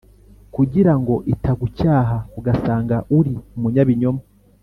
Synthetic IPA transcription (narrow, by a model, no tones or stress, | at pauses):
kuɟiɾaŋɡo̞ʔitʰaɡucaːɦauɡasaːŋɡaʔuɾiumuɲaβiɲoma